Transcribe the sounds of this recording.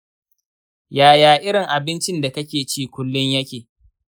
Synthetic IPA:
jaː˨jaː˨ʔɪ˦ɾɪ˨ŋʔa˨bɪ˦nt͡ʃɪ˦nda˨kɐ˦kʲeː˨t͡ʃiː˦˨kʷʊ˦lːʊ˦ɲjɐ˦kʲeː˨

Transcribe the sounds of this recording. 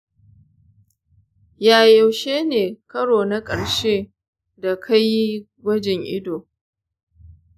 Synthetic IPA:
jaː˨jɐ˨wʃeː˦neː˨kɐ˦ɽoː˨na˦kʼɐ˨ɽʃeː˦ | da˨kʰa˦jjːi˦ | ɡʷɐ˦d͡ʒɛ˨ŋʔɪ̰˦doː˨

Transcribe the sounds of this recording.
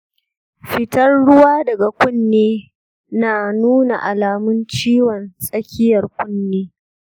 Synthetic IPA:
ɸɪ˦tɐ˦rɽʊ˦waː˦dɐ˨ɡa˨kʷʊ˦nːeː˦ | naː˨nuː˦na̰˨ʔa˨laː˨mʊ˦nt͡ʃiː˦wɔ˨nsʼɐ˦kʲɪ˦jɐ˨rkʷʊ˦nːeː˦

